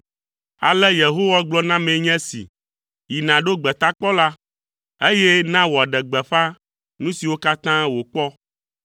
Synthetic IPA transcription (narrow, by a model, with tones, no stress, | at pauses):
a˨lɛ˦je˨ɦo˦wa˦ɡ͡blɔ˦nã˦mẽ˨ɲɛ̃˦sḭ˨ | ji˨nã˨ɖo˦ɡ͡bɛ˨t̪a˦k͡pɔ˦la˦ | e˦je˦nã˦wɔ˨a˨ɖɛ˨ɡ͡bɛ˨ɸa˦ | nũ˦si˨wo˦ka˦t̪ã˦wo˨k͡pɔ˦